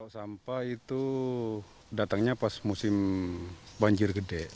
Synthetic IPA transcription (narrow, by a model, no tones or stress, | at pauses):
sampait̪u | dat̪aŋɲapasmusɪm | baɲd͡ʒɪrɡədɛʔ